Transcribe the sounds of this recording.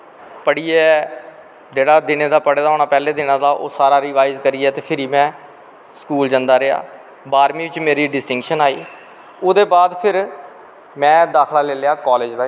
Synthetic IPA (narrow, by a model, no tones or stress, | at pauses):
pəɽiːɛː | d͡ʒeːɽaːd̪ɪneːd̪aːpəɽeːd̪aɦoːñaːpɛːleːd̪ɪnãːd̪aːʔo̰ːsaːɾaːɾɪʋaːɪzkəɾiːɛːt̪eːpʰɪɾiːmɛ̃ː | skuːld͡ʒənd̪aːɾɪja̰ː | baːɾmĩːʋɪt͡ʃmeːɾiːɖɪsʈɪ̃ŋkʃənaːiː | ʊd̪eːbaːd̪pʰɪɾ | mɛ̃ːd̪aːkʰlaːleːlejaːkɔːleːd͡ʒd̪aː